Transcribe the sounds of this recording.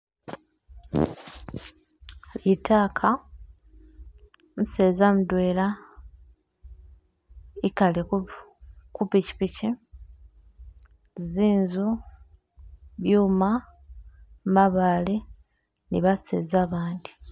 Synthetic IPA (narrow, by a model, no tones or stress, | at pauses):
itʰaːkʰa | n̩seːzamudweːla | ikalek | kupici̥pici | ziːnzu | βjuːma | maβaːle | niβasḛːzaːβaːndi̥